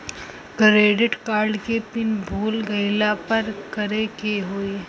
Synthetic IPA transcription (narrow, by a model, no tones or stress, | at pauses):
ɡɾeːɖɪʈkaːɾɖkepɪnbʱoːlɡɐɪlapɐɾkɐɾekeɦoːe